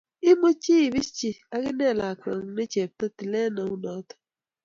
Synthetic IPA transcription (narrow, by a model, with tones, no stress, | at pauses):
i˦mo˦t͡ʃi˦i˨bi˦t͡ʃi˦a˦kɪ˦nɛ˦˨la˨kɔ˨ŋ˨ne˦t͡ʃe˨p̚tɔ˦ti˨le˦nɔ˨u˦nɔ˨˦tɔ̥˦